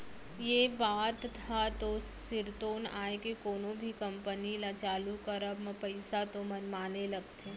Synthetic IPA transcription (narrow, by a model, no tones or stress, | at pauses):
jebaːt̪ʰ | at̪o | sɪɾt̪oːna̰ːekekoːnõbʱikɐ̃mpənilat͡ʃaːlukəɾəbmɐ̃pɐɪsat̪omɐnmaːnelɐɡt̪ʰe